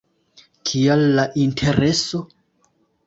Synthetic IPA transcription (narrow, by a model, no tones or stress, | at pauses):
kʰialːaʔintʰe̞ɾeso̞